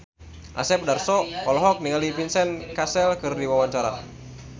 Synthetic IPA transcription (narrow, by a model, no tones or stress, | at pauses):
ʔa̰sɛp̚darsɔɔlɔɦɔk̚niŋalipinsɛnkasɛlkɨrdiwawaɲt͡ʃaɾa̰